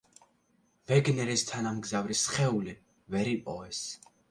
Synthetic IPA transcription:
vɛɡnɛɾist̪ʰanamɡzavɾisχɛuli | vɛɾipʼɔ̰ɛs

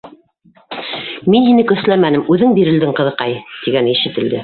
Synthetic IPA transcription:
minhinɘkɵ̆θlæmænɘmʉðɘŋbiɾɘ̆ld̪ɘŋqɤ̆ðɤ̆qɑjt̪iɡænɘiʃɘ̆t̪ɘ̆ld̪ɘ

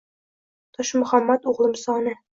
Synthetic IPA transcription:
t̪ɤʃmɵ̆χæmːæt̪uʁlˠɤmsɒnɤ

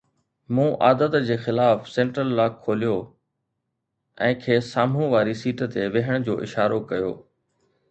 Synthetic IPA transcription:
mũːʔa̰ːd̪ət̪d͡ʑeːxɪlaːfsɛ̃ːɳʈɾəllaːkʰːoːlijo | ɛ̃ːkʰeːsaːmũʋaːɾisiːʈt̪eʋɪɦəɽ̃d͡ʑoːʔɪ̰ʃaːɾokɐjo̰ː

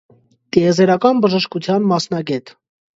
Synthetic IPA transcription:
t̪iɛzɛɾɑkɑnbəʒəʃkut͡sʰjɑnmɑsnɑɡɛt̪

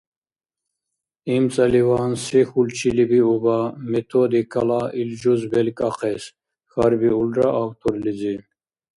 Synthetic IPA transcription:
imt͡sʼalivansɛxult͡ʃʰilibiubamɛt̪ʰɔd̪ikʰalaild͡ʒuzbɛlkʼaqʰɛs | xaɾbiuldɾaʔawt̪ʰɔɾlid͡zi

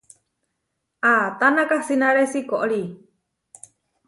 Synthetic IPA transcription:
ʔat̪anakahsinaɾesikoʔɭi

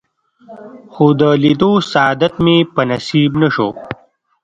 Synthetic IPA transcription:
xod̪əlid̪osaɑd̪at̪mepənɐsibnaʃo̰

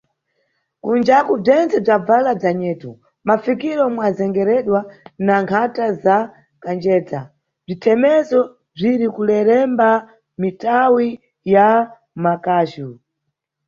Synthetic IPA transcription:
kund͡ʒakub͡ʐɛnt͡sɛb͡ʐab͡valab͡ʐaɲɛːtu | mafikiɾɔmwazɛŋɡɛɾɛɗwanaŋkʰataza | kand͡ʒɛːd͡za | b͡ʐitʰɛmɛzɔ | b͡ʐiɾikulɛɾɛmba | mitawi | ja | makaːʃu

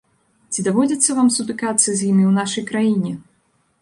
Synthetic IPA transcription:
t͡sʲid̪avɔd͡zʲɐt̪sːɐvamsut̪ɨkat̪sːɐzʲjimʲiwnaʂɐjkɾajinʲɛ

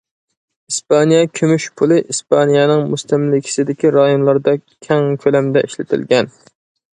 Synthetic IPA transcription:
ispɑnijɛkʲʰømyʃpʰulˠɨʔispʰɑnijɑnɨŋmust̪æmlɪkʲʰi̥sɪd̪ɪkʲiɾɑjonlˠɑɾd̪ɑkʲʰɛŋkʲʰølɛmd̪ɛʔiʃlɪt̪ʰɪ̰lɡʲɛn

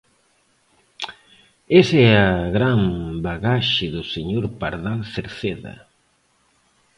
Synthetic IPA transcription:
esɛaɣɾambaɣaʃɪðʊseɲoɾpaɾðalθeɾθeðɐ̰

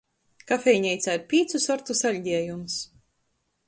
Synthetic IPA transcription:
kafʲɛjɲɛjt̪saɾpʲiːt̪susɔɾt̪usalʲɟʲiɛjums

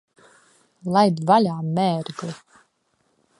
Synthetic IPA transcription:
lˠajd̪valʲaːmːɛːɾɡlɨ

